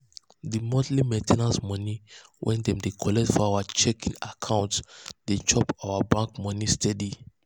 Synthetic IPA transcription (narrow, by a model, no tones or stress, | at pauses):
dimɔdlimɛ̃tʰɛnasmɔ̃niwʔɛ̰̃ndɛ̃mdekʰɔlɛk̚tfɔawat͡ʃɛkĩŋakʰãʊ̃ntsdet͡ʃɔpawabãŋkmɔnistʰɛdi